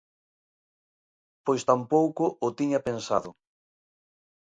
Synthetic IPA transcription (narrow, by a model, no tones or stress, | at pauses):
pojst̪ampowkʊʔʊt̪iɲɐpensa̰ðʊ